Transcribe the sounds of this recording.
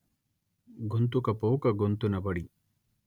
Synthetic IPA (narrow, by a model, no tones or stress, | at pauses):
ɡont̪ukɐpowkɐɡont̪unɐbɐɽi